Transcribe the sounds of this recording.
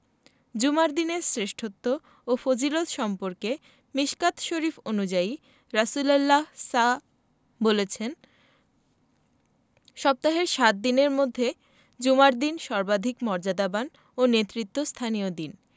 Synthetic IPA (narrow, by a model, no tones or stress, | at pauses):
d͡ʑumaɾd̪ineɾsɾeʃʈʰot̪ːo | ofod͡ʑilot̪ʃɔmpoɾke | miʃkat̪ʃoɾifonud͡ʑai | ɾasulalːasa | bolet͡ɕʰen | ʃɔb̚t̪aɦeɾʃat̪̚d̪ineɾmod̪ʱːe | d͡ʑumaɾd̪inʃɔɾbad̪ʱikmɔɾd͡ʑad̪aban | onet̪ːɾit̪ːost̪ʰaniod̪in